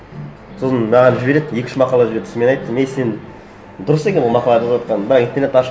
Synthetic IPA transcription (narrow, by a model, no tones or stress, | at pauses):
sosənmɑʁɑnʒɪbeɾed̪jekʲɪ̥ʃɪmɑqɑlˠɑʒɪbeɾed̪smenɑjt̪ːəmesen | d̪ʊɾəsd̪e̞kʲeʁolˠmɑqɑlˠɑd̪əwɑt̪̚qɑnbɪɾɑqijnt̪eɾnet̪ːɑʃ